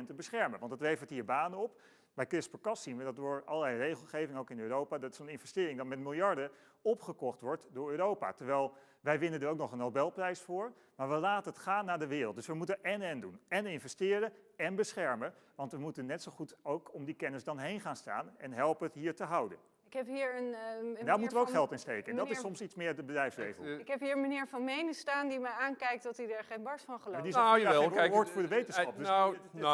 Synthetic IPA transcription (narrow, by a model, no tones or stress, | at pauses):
ntəbəsχɛɹməʋɑndɑtlejvəɹtɦiːɹbaːnənɔp | bɛjkrɪspəkɑsinʋədɑtʊːɹɑ̰ləlɛjrejχəlˠχejvɪŋəowkɪnøːrowpaːdɑtɪ̥sənɪnvɛstɪːɾɪŋdɑtmɛtmɪlˠjɑɹdə | ɔpχəkɔχtʋɔɹtdʊːɹøːɾowpa̰tɛɹʋɛjlˠ | ʋɛjʋɪnəndəɹowknɔχənɦowbɛlˠprɛjsfʊːɹ | maːɹʋəlaːtənɦətχaːnːaːɹdəʋɪːrlˠtdɵsʋəmutənʔɛnɛndunɛnɪnvɛstɪːɾəɛnbəsχɛɹməʋɑntʋəmutənːɛtsowχutowkɔmdikɛnəsdɑnɦejnχaːnsta̰ːnɛnɦɛlˠpəətɦiːɹtəɦʌwdə̰n | ɪkɦɛpɦiːɹəndaːɹmutəʋəowkχɛlˠtɪnstejkəɛndɑtɪssɔmsitsmɪːɹdəbədrɾɛjfslḛjvəlˠɪkɦɛpɦiːɹənmənɪːɹvɑnmejnəstaːndiməaːnkɛjk̚tdɑtidaːɹχejnbɑɹsfɑnχəlodizaenoːɹtfʊːɹdəʋejtənsχɑp̚d